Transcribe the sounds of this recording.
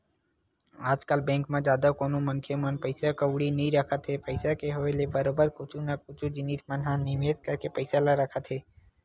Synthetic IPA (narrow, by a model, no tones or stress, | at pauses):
aːd͡ʒkəlbɛ̃ːŋkmãd͡ʒjaːd̪akoːnumənkʰemənpəɪsakəwɽinəɦĩɾəkʰət̪ɦepəɪsakeɦoːelebəɾoːbəɾkʊt͡ʃʰũnakʊt͡ʃʰũd͡ʒɪniːt̪ʰmənɦãnɪmeːt̪kəɾkepəɪsalaɾəkʰət̪ɦeː